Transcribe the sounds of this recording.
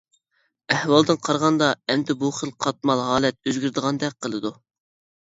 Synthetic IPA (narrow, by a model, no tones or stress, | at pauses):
ɛhwɑlˠd̪ɨnqʰɑɾʁɑnd̪ɑɛmd̪ɪbuχəlˠqʰɑt̪̚mɑlˠɦɑːlˠɛt̪̚øzɡʲyɾd̪əʁɑnd̪ɛk̚ʲqʰəlˠɨd̪u